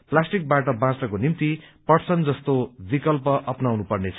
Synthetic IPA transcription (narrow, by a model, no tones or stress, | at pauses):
plasʈik̚baʈʌbãt͡srʌkonimt̪ipʌɽt͡sʰʌnd͡zʌst̪obikʌlpʌʔʌpnawnupʌrnet͡sʰʌ̥